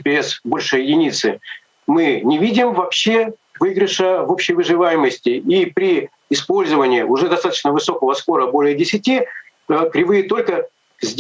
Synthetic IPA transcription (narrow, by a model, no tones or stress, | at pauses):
pʲɪɛsbo̞lʲʂɨjɪdʲɪnʲit̪sɨ | mɨnʲɪvʲidʲɪmvɐpɕːe̞ | vɨɡɾʲɪʂəvopɕːɪjvɨʐɨvajɪməsʲtʲɪʔipɾʲɪ | ɪspo̞lʲzəvənʲɪːʔʊʐɛd̪ɐst̪at̪ə̥t͡ɕnəvɨso̞kəvəspo̞ɾəbo̞lʲɪjədʲɪsʲɪtʲi | əkɾʲɪvɨjət̪o̞lʲkə | zʲdʲ